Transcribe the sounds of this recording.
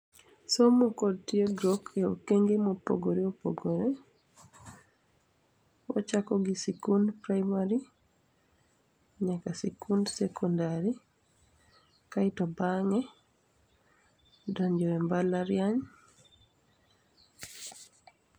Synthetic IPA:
somokod̚tieɡɾɔkeo̰keŋɡemopo̰ɡoɾeopo̰ɡoɾe | wɔ̰t͡ʃakɔɡisikundpɾajmaɾi | ɲakasikundsɛkʰɔndaɾi | kaitɔbaŋɛ | dɔɲd͡ʒɔɛmbalaɾjaɲ

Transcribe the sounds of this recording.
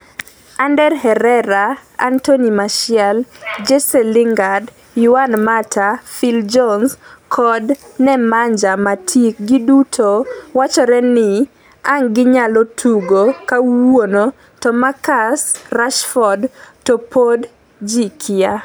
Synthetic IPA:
andɛrhɛɾɛɾaa̰ntonimaʃɪɛld͡ʒesɛliŋɡad | jʊanmatafild͡ʒɔnskʰɔdnɛmaɲd͡ʒamatʰik̚ɡidutʰowat͡ʃɔɾɛnɪ | aŋɡɪɲalotʰuɡokawono | tɔmakasraʃfɔdtopʰod | d͡ʒikʰia

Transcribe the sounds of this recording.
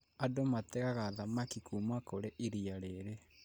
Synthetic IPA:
adomatɛɣaɣaðamakikumakoɾeʔiɾiaɾeɾe

